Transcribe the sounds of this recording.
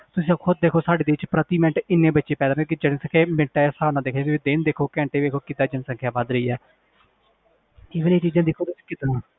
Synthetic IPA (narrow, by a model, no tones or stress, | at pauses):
t̪ʊsĩkʰʊd̪̚ːeːkʰoːsaːɖeːd̪eɪt͡ʃpɾət̪iːmɛ̃ɳʈɪnːẽːbətːʃeːpɛːd̪aɾnẽkid͡ʒəɽẽːsəkʰeːmɪɳʈaːsaːnãːd̪eːkʰnẽt̪ːiːd̪ɪnd̪eːkʰoːkɛ̃ːɳʈeːbeːkʰoːkɪd̪aːd͡ʒənsə̃ŋkʰjaːbəd̪ɾəiːɛː | ɪʋəneːt͡ʃiːd͡ʒãːd̪eːkʰoːt̪ʊsi̥kɪt̪nãː